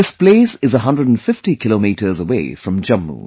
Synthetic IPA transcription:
ɪspleɪsɨzəɦʌ̃ndɹədn̩fɪftikʰɪlomiɾə˞zəweɪfɹʌ̃md͡ʒʌ̃mːṵ̃

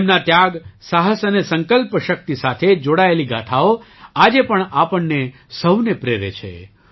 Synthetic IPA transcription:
mnat̪jaɡsaɦəsənesəŋkəlpʃək̚t̪isat̪ʰed͡ʒoɽaeliɡaʈʰao | ad͡ʒepəɳapəɳːe | səwnepɾeɾḛt͡ʃʰḛ

